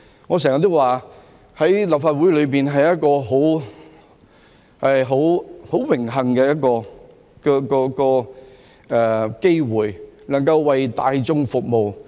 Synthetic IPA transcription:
ŋɔː˨˧s̬ɛː˨˩ŋɐ˨t̪ːo˥waː˨˩ | hɐ˨˥jlɐ˨p̚faː˧t̚wuː˨˥jlɵ˨˧ɥpiː˨nɦɐ˨jːɐ˥t̚kɔː˧ɦo˨˥w | hɐ˨jɦo˨˥who˨˥wwɪ˨˩ŋɦɐ˨˩ŋkɛː˧jɐ˥t̚kɔː˧ | kɔ˧kɔː˧kɔː˧ | ʔɛː˨˩ke˥jwuː˨˩jnɐ˨˩ŋkɐ˧wːɐ˨jt̪aː˧jt͡sʊ˥ŋfʊ˨k̚mo˨w

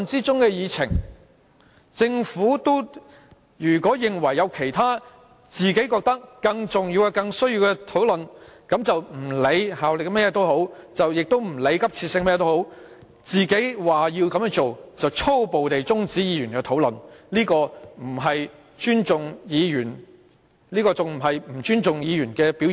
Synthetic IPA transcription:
nt͡siː˥t͡sʊ˥ŋkɛː˧jiː˨˧t͡sʰɪ̰˨˩ŋ | t͡sɪ˧ŋfuː˨˥t̪o˥w | jyː˨˩kʷɔː˨˥jɪ˨ŋwɐ˨˩jːɐ˨˧wkʰe˨˩jt̪ʰaː˥ | t͡siː˨ke˨˥kɔː˧k̚t̪ɐ˥kːɐ˧ŋt͡sʊ˨ŋjiː˧wkɐ˧kɐ˧ŋsɵ˥ɥjiː˧wkɛ˧t̪ʰo˨˥wlɵ˨nkɐ˨˥mt͡sɐ˨wm̩˨˩le˨˧jhaː˨wlɪ˨k̚mɛː˥jɛ˨˧t̪o˥who˨˥wt͡sɐ˨wjɪ˨k̚t̪o˥wm̩˨˩le˨˧jkɐ˥p̚t͡sʰi˧tsɪ˧ŋmɛː˥jt̪o˥who˨˥w | t͡siː˨ke˨˥jwaː˨˩jiː˧wkɐ˨˧mœː˥ŋt͡so˨wt͡sɐ˨wt͡sʰo˥wpo˨wt̪e˨jt͡sʊ˥ŋt͡siː˨˥jiː˨˧jy˨˩nkɛː˧t̪ʰo˨˥wlɵ˨nliː˥kɔː˧m̩˨˩ɦɐ˨j | t͡ʃyː˥nt͡sʊ˨ŋjiː˨˧jyː˨˩n | liː˥kɔː˧t͡sʊ˨ŋm̩˨˩ɦɐ˨jm̩˨˩t͡ʃyː˥nt͡sʊ˨ŋjiː˨˧jyː˨˩nkɛː˧piː˨˥wji˨

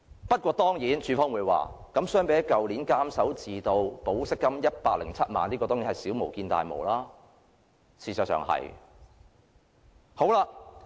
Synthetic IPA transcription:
pɐ˥t̚kʷɔː˧t̪ɔː˥ŋjiː˨˥nt͡ʃʰyː˨˧fɔː˥ŋwuː˨˧jwa̰ː˨ | kɐ˨˥msœː˥ŋpe˨˧˥jɐ˥kɐ˨wliː˨˥nkaː˥msɐ˨˥wt͡siː˨t̪o˧wpo˨˥wsɪ˥kːɐ˥mjɐ˥t̚paː˧k̚lɪ˨˩ŋt͡sʰɐ˥t̚ma̰ː˨nliː˥kɔː˧ɔː˥ŋiː˨˧˥hɐ˨jsiː˨˥wmo˨˩wkiː˧nt̪a̰ː˨jmo̰˨˩wlaː˥ | sʰiː˨sɐ˨t̚sœ̰ː˨˩ŋhɐ̰˨˩j | ho˨˥wlaː˧

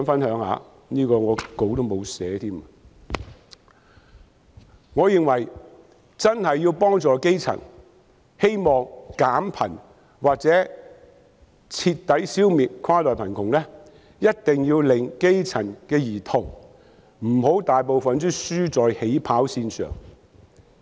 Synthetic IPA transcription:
ŋfɐ˥nhœː˨˥ŋha̰ː˧ | niː˥kɔː˧ŋɔː˨˧ko˨˧˥wt̪o˥wmo˨˧wsɛː˨˥t̪ʰiː˥m | ŋɔː˨˧jɪ˨ŋwɐ˨˩j | t͡sɐ˥nhɐ˨jːiː˧wpɔː˥ŋt͡sɔː˨ke˥jt͡sʰɐ̰˨˩n | he˥jmɔː˨ŋkaː˨˥mpʰɐ̰˨˩n | waː˨k̚t͡sɛː˨˥ | t͡sʰiː˧t̪ːɐ˨˥jsiː˥wmiː˨t̚kʰaː˥lɔː˨jpʰɐ˨˩nkʰʊ˨˩ŋlɛ˥ | jɐ˥t̚t̪ɪ˨ŋjiː˧wlɪ˨ŋke˥jt͡sʰɐ˨˩nkɛː˧jiː˨˩t̪ʰʊ˨˩ŋ | m̩˨˩ho˨˥wt̪aː˨jpo˨wfɐ˨nt͡sy˥syː˥t͡sɔː˨jhe˨˥jpʰaː˨˥wsiː˧nsœ̰ː˨˩ŋ

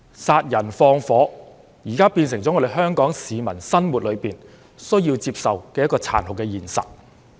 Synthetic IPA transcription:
saː˧t̚jɐ˨˩nfɔː˧ŋfɔː˨˥ | jiː˨˩kaː˥piː˧nsɪ˨˩ŋt͡sɔ˨˥ŋɔː˨˧de˨jɦœː˥ŋkɔː˨˥ŋsiː˨˧mɐ˨˩nsɐ˥nmuː˨t̚lɵ˨˧ɥpiː˨˩n | sɵ˥ɥjiː˧wt͡siː˧p̚sɐ˨wkɛː˧jɐ˥tkɔː˧t͡sʰa̰ː˨˩nhʊ˨˩kːɛ˧jiː˨˩nsɐ̰˨t̚

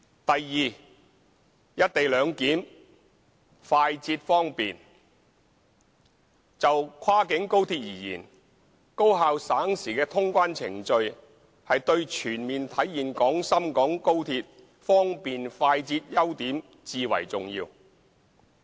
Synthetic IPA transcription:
t̪ɐ˨jːiː˨ | jɐ˥t̚t̪e˨jlœː˨˧ŋkiː˨˥m | faː˧jt͡siː˧t̚fɔː˥ŋpiː˨n | t͡sɐ˨wkʰwaː˥kɪ˨˥ŋko˥wt̪ʰiː˧t̚jiː˨˩jḭː˨˩n | ko˥wɦaː˨˧wsaː˨˥ŋsiː˨˩kɛː˧t̪ʰʊ˥ŋkʷaː˥nt͡sʰɪ̰˨˩ŋt͡ʃɵ˧ɥ | hɐ˨jt̪ɵ˧ɥt͡ʃʰyː˨˩nmiː˨nt̪ʰɐ˨˥jːiː˨nkɔː˨˥ŋsɐ˥mkɔː˨˥ŋko˥wt̪ʰiː˧t̚ | fɔː˥ŋpiː˨nfaː˧jt͡siː˧t̚jɐ˥wt̪iː˨˥m | t͡siː˧wɐ̰˨˩jt͡sʊ˨ŋjiː˧w

